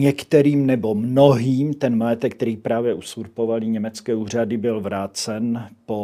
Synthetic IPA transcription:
ɲɛkt̪ɛɾiːmnɛbo̞mnoɦiːmt̪ɛnmajɛt̪ɛk̚t̪ɛɾiːpɾaːvjɛʔusuɾpovaliɲɛmɛt͡skɛːuːr̝adɪbɪlvɾaːt͡sɛnpo

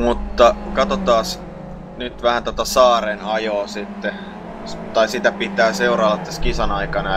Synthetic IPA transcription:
mut̪ːɑkɑt̪ot̪ɑːs | nyt̪ʋæhænt̪ot̪ɑsɑːrenɑjoːsit̪ːe | t̪ɑisit̪æpit̪æːseurɑːlːɑt̪t̪ːæskisɑnɑikɑnɑ

